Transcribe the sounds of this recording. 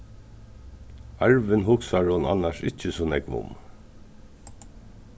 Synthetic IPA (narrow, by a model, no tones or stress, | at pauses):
aɹʋɪnɦʊksaɹhʊna̰nːaʃɪt͡ʃəsɔːnɛkʋʊ̰m